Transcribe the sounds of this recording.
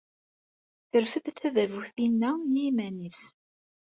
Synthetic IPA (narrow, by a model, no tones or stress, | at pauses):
θəɾfəðθæðævuθinːænimænis